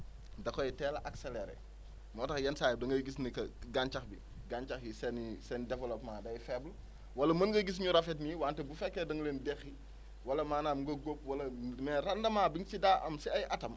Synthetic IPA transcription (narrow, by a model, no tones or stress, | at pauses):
dɐkɔjitɛːlɐʔakseleɾḛ | mɔːtɐxjɐnsaːjɛdɐŋɡɐjɡisnikɐɡant͡ʃɐxbi | ɡaɲt͡ʃɐxjisɛnisɛndɛvɛlɔpmaːdɐjfɛbl | wɐlɐmɐnɡɐɡis̬ɲuɾɐfetniwaːntɛbufɛkːɛdɐŋleːndɛxi | wɐlɐmaːnamŋɡɐɡop̚wɐlɐmɛːrɐndɐmaːbiŋsidaːʔɐmsiɐjʔɐtɐm